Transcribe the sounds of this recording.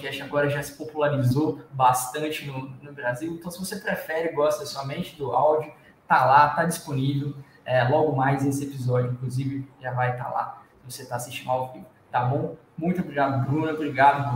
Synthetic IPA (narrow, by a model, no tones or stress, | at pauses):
pkɛst͡ʃaɡɔɾɐʒasɪ̥populaɾizobast̪ɐ̃t͡ʃɪnʊnʊbɾaziwẽt̪ɐ̃w̃sɪvosepɾɛfɛɾɪɡɔst̪ɐsuɐmẽnt͡ʃɪd̪ʊawd͡ʒʊ | t̪alat̪ad͡ʒisponivew | ɛlɔɡʊmajzesɪepizɔd͡ʒʊĩkluzivɪʒavajt̪a̰la̰ | voset̪asist͡ʃimawviɡ | t̪abõ | mũj̃t̪ʊobɾiɡad̪ʊbɾũnɐobɾiɡad̪ʊ